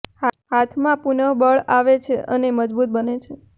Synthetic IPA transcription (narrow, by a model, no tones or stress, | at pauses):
hhat̪ʰmãpunəʋbəɭaʋet͡ʃʰeʔəneməd͡ʒbut̪̚bənet͡ʃʰe